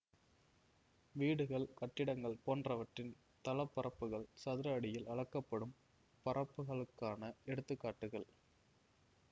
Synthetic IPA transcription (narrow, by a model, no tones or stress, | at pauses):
ʋiːɽɯɣɐɭkɐʈːɪɽɐŋɡɐɭpoːndrɐʋɐʈrɪn | t̪ɐlɐpːɐrɐpːɯɣɐɭsɐðɯɾaːɽɪjɪlɐɻɐkːɐpːɐɽɯm | pɐrɐpːɯɣɐɭɯkːaːnɐɛɽɯt̪ːɯkːaːʈːɯɣɐɭ